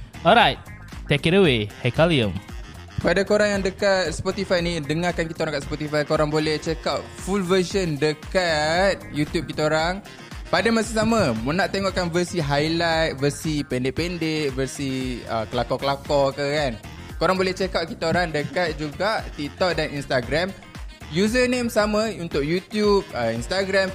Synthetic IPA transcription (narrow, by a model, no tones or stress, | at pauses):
ɔɾajt̚ | tːekitəwehakaliə̃m | padakoɾaŋjaŋdəkat̪̚spɔt̪ifajnĩdəŋakankit̪aoɾãŋkaʔ̪spɔt̪ifajkoɾaŋbolɛht͡ʃekawʔ̚fulvəsəndəkat̪̚jut̪jub̚kit̪aoɾaŋ | padamasasamãmnaʔt̪eŋɔʔkanvəsiɦajlajt̪̚vəsipɛndɪʔpɛndeʔvəsiə̰kəlakɔkəlakɔkəkan | koɾaŋbolɛht͡ʃekawʔkit̪aoɾaŋdəkat̪̚d͡ʒuɡaʔt̪ik̚t̪ɔk̚daninst̪aɡɾam | juzənemsamãunt̪ʊk̚jut̪jub̚əinst̪aɡɾam